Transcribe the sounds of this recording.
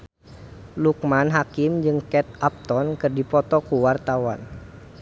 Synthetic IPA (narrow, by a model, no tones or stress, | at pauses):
luk̚manɦakɪmd͡ʒɨŋkɛt̪̚ap̚t̪ɔnkɨrdipɔt̪ɔkuwart̪awan